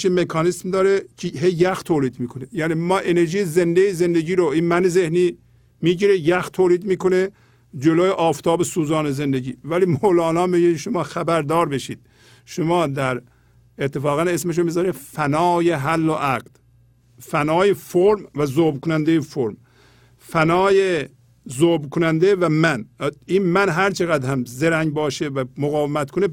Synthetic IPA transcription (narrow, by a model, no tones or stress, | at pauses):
ʃimekʰɑːnismd̪ɒːɾecʰeɦejːæxt̪ʰoːliːd̪miːkʰonejæːniːmɒːʔene̞ɾʒiːjezend̪ejeze̞nd̪eɟiːɾoiːnmæneze̞hniː | miːɟiɾejæxt̪ʰoːliːd̪miːkone | d͡ʒeloːjeʔɒːft̪ʰɒːbesuːzɒːnezend̪eɟḭːvæliːmolɑːnɒːmiɟiʃomɑːxæbæɾd̪ɒːɾbeʃḭːd̪̥̚ | ʃomɑːd̪æɾ | et̪ʰːefɒːɣæne̞smeʃ̬omizɒːɾid̪fænɒːjeɦælːoʔæɡd̪̥ | fænɒːjefoɾmvæzoːbkʰonænd̪ejefoɾm | fænɒːje | zoːbkʰonænd̪evæmæniːnmænɦæɾt͡ʃʰeɣæd̪hæmzeɾæŋɡbɒːʃevæmoɣɒːvemæt̪kʰone